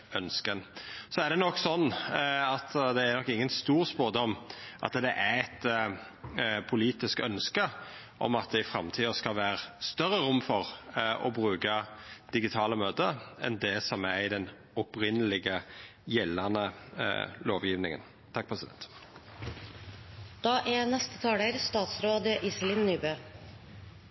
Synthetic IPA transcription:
œnskənsɔæʁɖ̪ɛnɔkːsɔnːɑt̪d̪ɛæɾnɔkːɪŋːənst̪uːʁspoːd̪ɔmːʔɑ̰t̪d̪ɛʔæɛt̪ | pʰʊliːt̪ɪskœnskə | ʔɔ̰mɑt̪̚d̪ɛɪfɾɑmt̪ʰiːəskɑlʋæːɾəst̪œɾːəɾʊmːfɔʁʔɔbʁʉːkəd̪̥ɪɡɪt̪ʰɑːləmøːt̪əɛ̰nd̪ɛsɔmæɪd̪ɛn | ɔpɾɪnːəlɪɡə | jɛlːɑnə | loːʋjiːʋnɪŋə̰n | t̪ʰɑk̚ːpʰɾɛsɪd̪ɛ̰nt̪ | d̪̥ɑːʔænɛst̪ə̥t̪ʰɑːɽəɾst̪ɑːt̪sɾoːd̪əʔɪsəlɪnːyːbøː

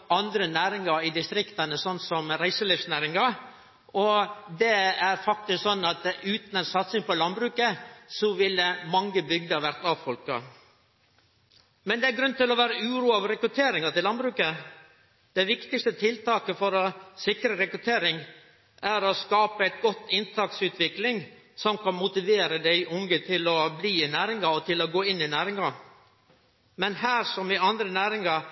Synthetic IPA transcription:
ɑnd̪ɾənæːɾɪŋɑɾɪd̪ɪst̪ɾɪkt̪ɑnəsɔnt̪sɔmɾæɪsəlɪfsnæːɾɪŋɑɾ | ɔd̪ɛæɾfɑk̚t̪ɪsksɔnːɑt̪ʉːt̪nɛnsɑt̪sɪŋpɔlɑnbɾʉːkəsɔʋɪlːəmɑŋːəbʏɡd̪əʋæɾt̪ɑʋfɔlkɑ̰ | mɛnd̪ɛæɾɡɾʉnt̪ɪlɔʋæːɾəʉːɾuːɑʋɾɛkɾʉt̪ʰeːɾɪŋɑt̪ɪlɑnbɾʉːkə | d̪ɛɪʋɪkt̪ɪkst̪ət̪ʰɪlt̪ɑːkəfɔɾɔsɪkɾəɾɛkɾʉt̪ʰeːɾɪŋ | ʔæɾɔskɑːpəæɪt̪ɡɔt̪ːɪnt̪ʰɑːk̚sʉːt̪ʋɪklɪŋ | sɔmkʰɑnmʊt̪ɪʋeːɾəd̪æɪʔʊŋɡət̪ʰɪlɔbliːɪnæːɾɪŋɑɔt̪ʰɪlɔɡoːɪnːɪnæːɾɪŋɑ | mɛnɦæːɾʂɔmʋɪɑnd̪ɾənæːɾɪŋɑ

